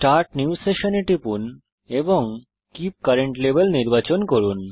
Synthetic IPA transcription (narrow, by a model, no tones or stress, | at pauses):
sʈaɾʈnjiusːeʃoneʈipun | eboŋ | kip̚kɐɾeɳʈlebelniɾbat͡ɕonkoɾun